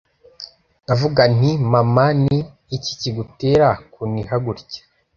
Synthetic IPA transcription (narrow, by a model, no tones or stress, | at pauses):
navuɡan̥imamaniː | ci̥ciɡute̞ːɾakuniɦaɡuɾce̥